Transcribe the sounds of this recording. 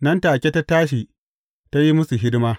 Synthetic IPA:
nɐ˦ntaː˨kʲe˦ta˦taː˦ʃ̬i˨ | ta˦ji˦mʊ˦su˨ɦɪ˦dɪ˦maː˦

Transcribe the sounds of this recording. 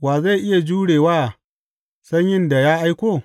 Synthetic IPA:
waː˨za˦˨ʔɪ˦ja˨d͡ʒuː˦ɽeː˨waː˦˨ | sɐ˦ɲjɪ˦nda˨jaː˦ʔa˦jkʷoː˦

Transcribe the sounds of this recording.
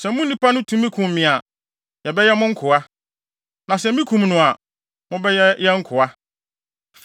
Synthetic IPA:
sɛ˨mʊ̃˦n˦nĩ˦pʰa˦nʊ̃˦tʰũ˦mĩ˦kʰũ˨mː˨ɪ̃˨a˨ | jɛ˨bɛ˦jɛ˦mʊ̃˦ŋ̩˦kʰʊ˨a˦ | nã˨sɛ˨mĩ˦kʰũ˨mnʊ̃˨a˨ | mʊ̃˦bɛ˦jɛ˦jɛ˦ŋ̩˦kʰʊ˨a˦

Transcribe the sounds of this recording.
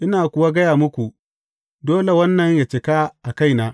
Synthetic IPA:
ʔɪ˦naː˨kʷʊ˨wa˦ɡɐ˦jaː˨mʊ˦kʷu˨ | doː˦le˨wɐ˦nːɐ˨ɲja˨t͡ʃɪ˨ka˦ʔa˨ka˦jnaː˦

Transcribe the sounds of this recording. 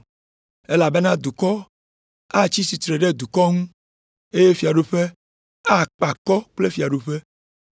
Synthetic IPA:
e˦la˨be˦nã˦d̪u˨kɔ˦ | a˦t͡ɕi˦si˨t̪ɾe˨ɖe˦d̪u˨kɔ˦ŋũ˦ | e˦je˦fi˨a˨ɖu˦ɸe˦ | a˦˨k͡pa˨kɔ˦k͡ple˦fi˨a˨ɖu˦ɸe˦

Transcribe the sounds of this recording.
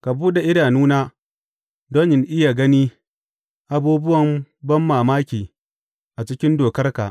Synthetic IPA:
ka˨buː˦ɗa˨ʔɪ˦daː˨nuː˦naː˦ | doː˦nɪ˨nʔɪ˦ja˨ɡɐ˦niː˦ | ʔa˨buː˦bʊ˦wɐ˨mbɐ˦mːaː˨maː˦kʲiː˨ | ʔa˨t͡ʃɪ˦kʲɪ˦ndoː˨kɐ˦rka˨ʔ

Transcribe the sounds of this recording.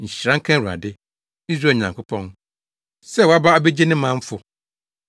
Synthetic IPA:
ɲ̩˨ɕɾã˦ŋ̩˦kʰã˦wu˨a̰˨dɪ˦ | i˦s̬ɾa˨ɲã˨ŋkʰʊ˦pʰɔ̃˦n | sɛ˦wɔ˨˦a˦ba˦a˨be˦d͡ʑe˦nɪ̃˦mã˦ɱ̩˦fʊ˨

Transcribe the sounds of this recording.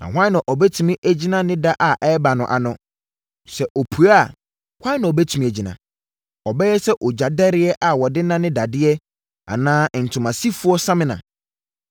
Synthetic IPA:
nã̰˨hʷã˦nã˨ʔɔ˨bɛ˦tʰu˨mĩ˦ʔæ˨d͡ʑi˦nã˦nɪ̃˦da˦ʔa˨ʔɛ˦ba˨nʊ̃˨ʔa̰˨nʊ̃˦ | sɛ˨ʔɔ˨pʰu˨ɾa˦˨ | hã˦nã˨ɔ˨bɛ˦tʰu˨mĩ˨æ˨d͡ʑi˨nã̰˨ | ɔ˨bɛ˦jɛ˦sɛ˦ʔɔ˨d͡ʑa˨dɛ˦ɾɪ˦ɛ˦ʔa˨wɔ˨dɪ˦nã˦nɪ̃˦da˨dɪ˦ɛ˦ | a̰˨nãː˦˨n̩˨tʰʊ̃˨mã˨si˦fu˦ɔ˦sã˦mɪ̃˦nã̰˨

